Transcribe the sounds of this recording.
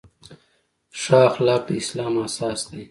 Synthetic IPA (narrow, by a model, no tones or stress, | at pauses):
ʂaːxlaːp̪islaːmaːsaːst̪ej